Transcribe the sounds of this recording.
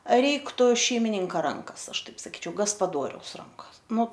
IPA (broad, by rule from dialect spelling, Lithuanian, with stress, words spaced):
ˈrʲɛɪktʊ ʃʲɛɪmʲɪˈnʲɪŋkɐ ˈrɐŋkɐs ˈɐʃ ˈtɐɪp sɐˈkʲiːt͡ʃʲɛʊ ɡɐspɐˈdoːrʲɛʊs ˈrɐŋkɐs nʊ